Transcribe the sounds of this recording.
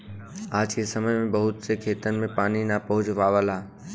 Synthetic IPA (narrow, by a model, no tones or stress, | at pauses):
aːd͡ʒkesəməjmẽbəɦʊt̪sekʰeːt̪ənmẽpaːninapɐɦʊd͡ʒʋaːʋəlaː